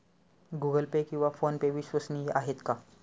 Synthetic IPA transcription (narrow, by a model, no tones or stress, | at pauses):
ɡuɡəlpekĩw̃ʋafonpeʋiɕʋəsniːʔa̰ɦet̪ka